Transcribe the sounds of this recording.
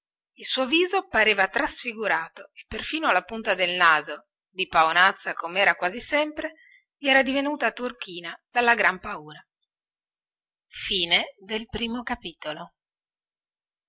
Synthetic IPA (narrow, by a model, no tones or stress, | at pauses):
ilsuːoviːzopaɾeːvat̪ɾasfiɡuɾaːt̪oepːerfiːnoalapunt̪ad̪elnaːzo | d̪ipaonat̪sːakomɛːɾakwaːzisɛmpɾe | liɛːɾad̪ivenuːt̪at̪urk̟iːnad̪alːaɡɾampauːɾa | fiːned̪elpɾiːmokapiːt̪olo